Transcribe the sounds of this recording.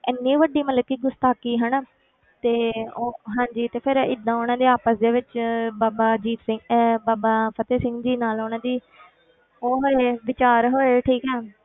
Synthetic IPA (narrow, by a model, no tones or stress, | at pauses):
ɪnːĩːʋəɖiːmələkːiːɡʊst̪aːkiːɦəɳ | t̪eːoɦãːɲd͡ʒiːt̪eːpʰɪɾɪd̪ːãːonãːd̪eːaːpəsd̪eːʋɪt͡ʃbaːbaːd͡ʒiːt̪sɪŋbaːbaːpʰət̪eːsɪ̃ŋɡd͡ʒiːnaːloːnãːd̪iː | oːɦoːeːʋɪt͡ʃaːɾɦoːeʈʰiːkɦɛː